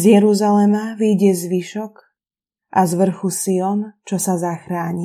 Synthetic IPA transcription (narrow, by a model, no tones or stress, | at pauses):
zjɛɾuzalɛmaʋiɟɛzʋiʃɔk | ʔazʋr̩xusiɔnt͡ʃɔsazaxɾaːɲi